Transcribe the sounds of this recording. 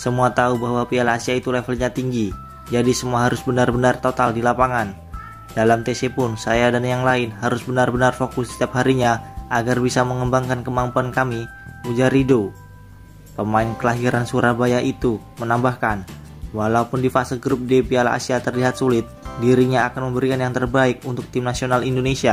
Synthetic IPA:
səmuat̪aubaɦwapialaasiait̪ulefəlɲat̪iŋɡi | d͡ʒadisəmuaɦaɾʊsbənarbənart̪ot̪aldilapaŋan | dalamt̪esepʊnsajadanjaŋlaɪnɦaɾʊsbənarbənarfokʊstt̪iaphaɾiɲaʔaɡarbisaməŋəmbaŋkankəmampuankami | ud͡ʒaɾido | pəmaɪnkəlaɦiɾansuɾabajaʔit̪u | mənambahkan | walaupʊndifasilɡɾʊp̚depiala̰siat̪ərliɦat̪̚sulɪt̪̚diɾiɲaːkanməmbəɾikanjaŋt̪ərbaɪk̚unt̪ʊk̚t̪ɪmnasionalindonesia

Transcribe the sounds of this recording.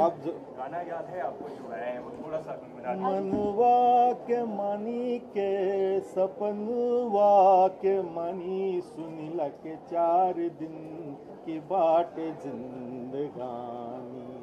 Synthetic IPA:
ap̚d͡ʒo | ɡaːnajaːd̪ɦɛaːp̚ko | t̪ʰoɽasamɾamɐnuʋakemanikesɐpɐnuʋakemanisunilaket͡ʃaɾid̪in | kibaʈezind̪əɡaːni

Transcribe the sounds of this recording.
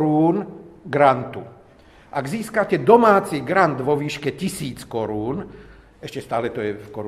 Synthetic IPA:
ɾuːnɡɾant̪u | ʔaɡziːskacɛd̪ɔmaːt͡siɡɾand̪ʋɔʋiːʃkɛcisiːt͡skɔɾuːn | ɛʃcɛst̪aːlɛt̪ɔjɛfkɔɾ

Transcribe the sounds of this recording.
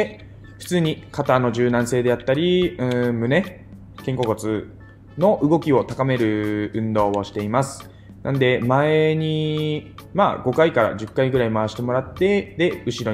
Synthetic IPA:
e | ɸɯ̟̥t͡sɨːɲ̟ikat̪ano̞ʑɨːnãɰ̃se̞ːd̪e̞jat̪ːaɾʲiɯ̟̃mɯ̟ne̞ | kẽ̞ŋko̞ko̞t͡sɨ | no̞ʔɯ̟ɡo̞kʲio̞t̪akame̞ɾɯ̟ɯ̟̃nd̪o̞ːoɕi̥t̪e̞imasɨ̥ | nãnd̪e̞mae̞ɲ̟i | ma̰ːɡo̞kaikaɾa̰d͡ʑɨkːaiɡɯ̟ɾaimaβaɕi̥t̪e̞mo̞ɾat̪ːe̞d̪e̞ɯ̟ɕiɾo

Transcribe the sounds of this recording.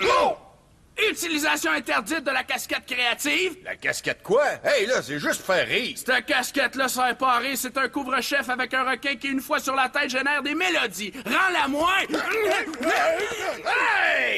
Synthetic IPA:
yt̪ilizasjɔ̃ɛ̃t̪ɛʁdd͡zɪt̪̚d̪əlakʲaskʲɛt̪̚kʁeat̪iːvla̰kʲa̰skʲɛt̪̚kwaɛjlʌseʒʏst̪fɛːʁːiːʁst̪əkʲaskʲɛt̪lʌsaɛpɑːʁeset̪ɛ̃kuvʁəʃɛfavɛkœ̃ʁəkʲɛ̃kʲiynfwasyʁlat̪ɛɪt̪ʒenɛːʁd̪emelɔd̪iʁɑ̃lamwɛ̃

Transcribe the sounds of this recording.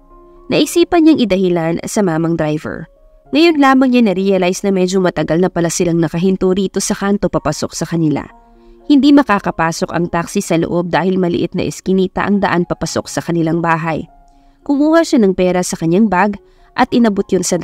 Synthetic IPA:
nɐʔɪsiːpɐɲɲaŋʔɪd̪ɐhɪlan̰sɐmaːmɐŋd̪ɾajvɛ̰ɹ | ŋɐjo̞nlaːmɐŋɲanɐɾiɐlajsnɐmɛd͡ʒomɐt̪ɐɡalnɐpɐlasɪlaŋnɐkɐɦɪnt̪oɾiːt̪o̞sɐkant̪o̞pɐpɐso̞̰k̚sɐkɐnɪla̰ | hɪnd̪imɐkaːkɐpaːso̞kɐ̰ŋt̪aksisɐloʔo̞b̚d̪aːhɪlmɐlɪ̰ʔɪt̪nɐ̰ʔɪ̰skɪniːt̪ɐ̰ʔɐŋd̪ɐʔanpɐpɐso̞̰k̚sɐkɐnɪlaŋbaːɦɐj | kʊŋʔuːhaʃanɐŋpɛːɾɐsɐkɐɲːaŋbaɡ | ʔɐt̪̚ʔɪnɐbot̪̚jonsɐ

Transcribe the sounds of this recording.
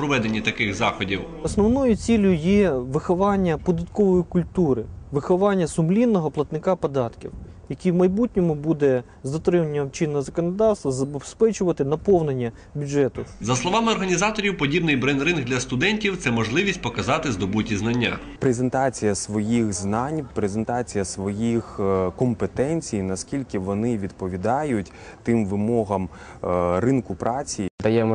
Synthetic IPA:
pɾɔʋɛd̪enʲːit̪ɐkɪxzɑxɔdʲiw | ɔsnɔwnɔjʊt͡sʲilʲʊjɛʋɪxɔʋɑnʲːɐpɔd̪ɐt̪kɔʋɔjikʊlʲt̪uɾɪʋɪxɔʋɑnʲːɐsʊmlʲinːɔɦɔplˠɐt̪nɪkɑpɔd̪ɑt̪kʲḭwjɐkʲiwmɐjbutʲnʲɔmʊbud̪ɛ | zd̪ɐt̪ɾɪmɐnʲːɐmt͡ʃɪnːɐzɐkɔnɔd̪ɑwst̪ʋɐzɐbespɛt͡ʃʊʋɐt̪ɪnɐpɔwnenʲːɐ | bʲudʒɛt̪ʊzɐslˠɔʋɑmɪɔrɦɐnʲizɑt̪ɔɾʲiwpɔdʲibnɪjbɾɛnd̪ɾɪnɡd̪lʲɐst̪ʊd̪ɛnʲtʲiwt̪sɛmɔʒlˠɪʋʲisʲtʲpɔkɐzɑt̪ɪzd̪ɔbutʲiznɐnʲːa̰ | pɾezent̪ɑt͡sʲijɐsʋɔjixznɑnʲpɾezent̪ɑt͡sʲijɐsʋɔjixkɔmpet̪ɛnʲt͡sʲijnɐskʲilʲkɪʋɔnɪʋʲid̪pɔʋʲid̪ɑjʊtʲ | t̪ɪmʋɪmɔɦɐm | rɪnkʊpɾɑt͡sʲid̪ɐjɛmɛ

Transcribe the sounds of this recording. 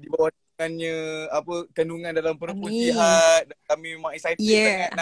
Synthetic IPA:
dibawa | ŋanɲə̃apəkənduŋãndalampəɾputiadakamĩmãisajaŋaʔna

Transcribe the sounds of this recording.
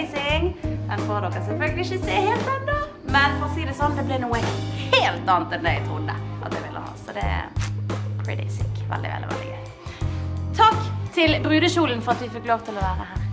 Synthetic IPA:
ɪsɪŋʔɛnbɑʁd̪ɔkːəsɛlfœlɡəlɪɪçəseːheːlt̪ɑnd̪ə | mɛnfɔʁɔsiːd̪ɛsɔnd̪ɛblɪnuːəheːlt̪ɑːnt̪ɛnd̪ɛɪt̪ʰʁʊd̪ə̰ʔɑt̪d̪ɛ̰ʋɪlːʔə̰hɑ̰ːsɔd̪ɛ̰ | pʰɹɪd̪ɛ̰ɪsḭːkʋɛ̰ld̪ɪ̰ʋɛ̰ldɪ̰ʋɛ̰ld̪ɪ̰ɡœʏ | t̪ʰɑkːt̪ʰɪlbʁʉːd̪əʃuːln̩fɔʁɑt̪ʋɪfɪkloːʋt̪ʰɪlɔʋæːʁəhæːʁ

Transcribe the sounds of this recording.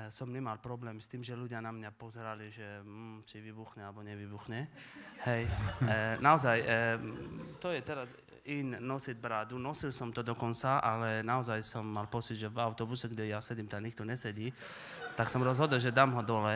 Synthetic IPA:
sɔmɲɛmalpɾɔblɛːmst̪iːmʒɛluɟɪanamɲapɔzɛɾaliʒɛm̩ːt͡ʃiʋibuxɲɛalɛbɔɲɛʋibuxɲɛhɛj | naɔzaj | t̪ɔjɛt̪ɛɾaz | iɲnɔsid̪̚bɾaːd̪unɔsilsɔmt̪ɔd̪ɔkɔnt͡saʔalɛnaɔzajsɔmːalpɔt͡sid̪ʒɛvaʊt̪ɔbusɛɡɟɛjasɛɟimt̪aɲikt̪ɔɲɛsɛɟiː | t̪aksɔmɾɔzɦɔd̪l̩ʒɛd̪aːmɦɔd̪ɔlɛ

